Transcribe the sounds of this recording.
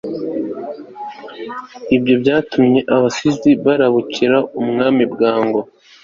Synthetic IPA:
ibɟo̞bɟaːtumɲe̞ʔaβasizɡiβaɾaβuciɾaumŋaːmibɡaːŋɡo̞

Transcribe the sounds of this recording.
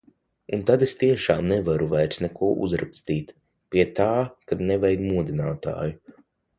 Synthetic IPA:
unt̪ad̪est̪iɛʃaːmnɛvaɾuvajɾsnɛkuɔʔṵzɾa̰kst̪iːt̪ | piɛt̪aːkad̪nɛvɛjɡmuɔd̪inaːt̪a̰ːju

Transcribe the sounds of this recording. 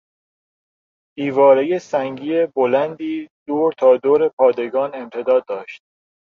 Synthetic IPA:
d̪̥iːvɒːɾejesæŋɟiːebolænd̪iːd̪̥oːɾt̪ʰɒːd̪oːɾe̞pʰɒːd̪e̞ɡɒːne̞mt̪ʰe̞d̪ɒːd̪̚ːɒːʃt̪̚

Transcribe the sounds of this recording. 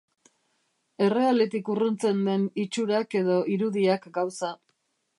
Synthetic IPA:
e̞re̞alet̪ikurunt͡se̞nd̪e̞nit͡ʃuɾake̞ðo̞ʔiɾuðiakɡawsa

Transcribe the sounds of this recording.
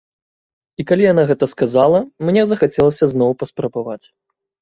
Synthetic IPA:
ikalʲijanaɣɛt̪ɐskazalˠɐmnʲɛzɐxat͡sʲɛlˠɐsʲɐznɔwpɐspɾɐbavat͡sʲ

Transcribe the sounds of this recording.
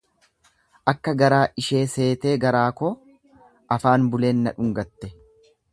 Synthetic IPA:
ʔɐkːɐɡɐɾaːʔɪʃe̞ːse̞ːt̪e̞ːɡɐɾaːkoː | ʔɐfaːnbʊle̞ːnːɐᶑʊŋɡɐt̪ːɛ

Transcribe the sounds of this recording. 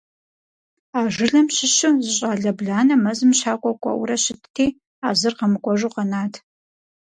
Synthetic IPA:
aːʒɨɮɐmɕɪɕɨzɨɕʼaːɮɐbɮaːnɐmɐzɨmɕaːkʷʼɐkʷʼɐ̰ʔʊ̰ɾɐɕɪtʰtʰeː | aːzɨrqɐmɨkʷʼɔʒuqɐnaːtʰ

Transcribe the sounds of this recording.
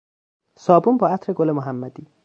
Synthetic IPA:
sɒːbumbɒːat̪ʰɾeɡolemʊɦamːad̪i

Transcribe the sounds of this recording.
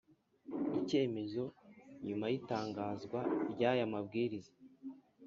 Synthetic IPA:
ice̞ːme̞zo̞ɲumajitaːŋɡaːzɡwaɾɟaːjamab̚ɡiːɾizḁ

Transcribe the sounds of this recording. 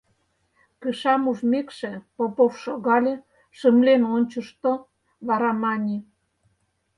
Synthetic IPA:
pəʃɑmuʒmekʃĕpopofʃoɣɑlʲĕ | ʃəmlenonʲt͡ɕə̆ʃt̪o | βɑɾɑmɑnʲi

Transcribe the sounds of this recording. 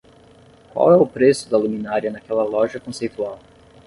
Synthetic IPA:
kwa̰wɛʊpɾesʊd̪ɐlumĩnaɾiɐnɐkɛlɐlɔʒɐkõsejt̪uaw

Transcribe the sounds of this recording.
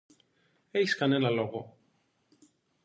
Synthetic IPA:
eçi̥skɐnenɐlo̞ɣo

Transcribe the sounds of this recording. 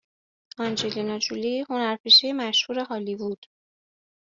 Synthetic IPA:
ɒnd͡ʒelinɒd͡ʒuliho̞næɾpʰiʃejemæʃhuːɾe̞ɦɒːliːbud̪̥

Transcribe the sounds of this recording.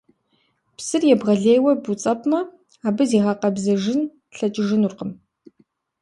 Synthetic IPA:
psɨrjɛbʁɐɮeːjwɐbut͡sʼɐpʰʼmɐ | aːbɨziːʁɑqɐbzɐʒɪn | ɬɐt͡ʃʼɪʒɪnurqəm

